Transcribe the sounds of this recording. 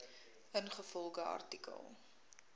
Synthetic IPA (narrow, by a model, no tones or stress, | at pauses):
ənχəfɔlˠɡəɐ̰rtikə̰lˠ